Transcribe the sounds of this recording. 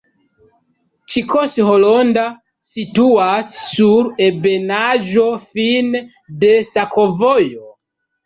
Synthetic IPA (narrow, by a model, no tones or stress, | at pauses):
t͡ʃikʰosholonda | situasːuɾe̞benaʒo̞fin | de̞sakʰo̞vojo